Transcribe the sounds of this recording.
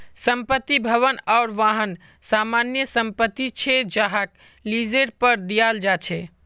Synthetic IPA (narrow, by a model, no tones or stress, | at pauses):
səmpət̪ːibʱəʋənaʊɾʋaɦən | samanjəsəmpət̪ːit͡ʃʰɛd͡ʒəɦak | lid͡ʒeɾpəɾd̪ijald͡ʒat͡ʃʰɛ